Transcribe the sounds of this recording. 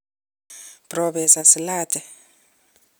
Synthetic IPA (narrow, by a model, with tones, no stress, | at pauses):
pʼrɔɓɛ˨sa˨silaːtʼɛ˨